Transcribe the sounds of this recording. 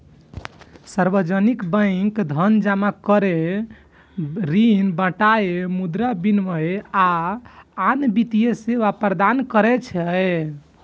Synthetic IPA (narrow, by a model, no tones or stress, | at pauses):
saɾbəd͡ʒənikbə̃ɪŋkd̪ʱənd͡ʒamakəɾe | ɾinbəʈajemud̪ɾabinʋəja | anbit̪ijeseʋapəɾd̪ankəɾɛt͡ʃʰɛ